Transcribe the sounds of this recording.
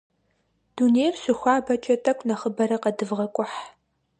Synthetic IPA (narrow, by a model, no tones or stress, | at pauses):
d̥uːneːrɕʷʊxʷaːbɐt͡ʃʼɐtʼɐkʷʰʼnɐχəbɐɾɐqɐdɨvʁɐkʷʼʊħ